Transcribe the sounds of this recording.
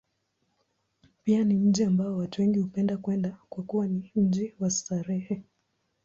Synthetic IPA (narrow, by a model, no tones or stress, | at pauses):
pianim̩ʄiambaɔwatuwɛŋɡihupɛndakwɛndakwakuwanim̩ʄiwastaɾɛhɛ